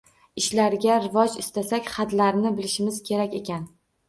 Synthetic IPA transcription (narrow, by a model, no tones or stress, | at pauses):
ɪʃlaɾɡʲaɾɪvɒd͡ʒɪst̪asakʲχat̪laɾnɪbɪlɪʃɪmɪz̥kʲʰe̞ɾakʲe̞kʲan